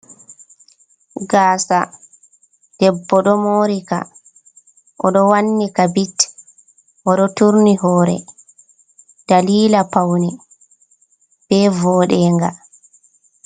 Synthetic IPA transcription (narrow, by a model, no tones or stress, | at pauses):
ɡaːsa | d̥ɛbːɔɗɔmoːɾika̰ | ʔɔɗɔwanːikabit | ʔɔɗɔtuɾniɦɔːɾɛ̰ | d̥aliːlapawni | b̥ɛvɔːɗɛːŋɡa̰